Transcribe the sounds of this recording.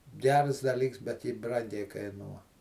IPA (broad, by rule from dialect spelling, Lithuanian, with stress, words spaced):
ˈɡʲɛrs dɐˈlʲiːks bʲɛt ˈjɪ ˈbrɐŋʲɡʲɛɪ kɐɪˈnuɔ